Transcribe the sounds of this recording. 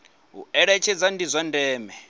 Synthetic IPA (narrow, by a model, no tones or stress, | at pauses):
ɦṵɛɺɛt͡ʃʰɛd͡zandizʷandɛːmɛ